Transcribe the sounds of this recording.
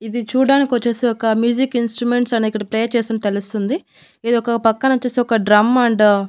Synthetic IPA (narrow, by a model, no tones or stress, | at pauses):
id̪it͡ʃuːɽaːnikʲʋɐt͡ʃːeːseːɔkɐmjuːd͡ʒikinsʈɾume̞ɳʈsɐniikːɐɽɐplejt͡ʃeːst̪unt̪elust̪und̪i | eːd̪ɔkɐpɐkːɐnɐɐt͡ʃːeːseɔkɐɖɾɐmɐɳɖ